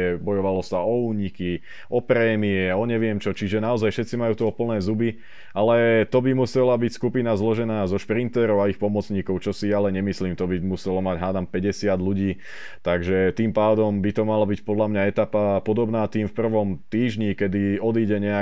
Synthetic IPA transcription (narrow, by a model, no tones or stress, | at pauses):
ɛbɔjɔʋalɔsaɔuːɲiki | ʔɔpɾɛːmiɛɔɲɛʋɪɛmt͡ʃɔt͡ʃiʒɛnaɔzajfʃɛt̪t͡simajuːt̪uɔpl̩nɛːzubi | alɛt̪ɔbimusɛlabicskupinazlɔʒɛnaːzɔʃpɾint̪ɛɾɔʊaixpɔmɔt͡sɲiːkɔʊt͡ʃɔsijalɛɲɛmisliːmt̪ɔbimusɛlɔmaɟɦaːd̪ampɛɟɛsɪad̪luɟiː | t̪aɡʒɛt̪iːmpaːd̪ɔmbit̪ɔmalabicpɔd̪lamɲaɛt̪apapɔd̪ɔbnaːt̪iːmfpr̩ʋɔmt̪iːʒɲikɛd̪iɔd̪iɟɛɲɛa